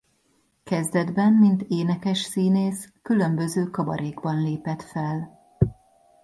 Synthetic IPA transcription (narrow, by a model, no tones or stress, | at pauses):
kɛzd̪ɛd̪bɛmːint̪eːnɛkɛʃsiːneːskylø̞mbø̞zøːkɒbɒ̰ɾeːɡbɒnleːpɛt̪fɛl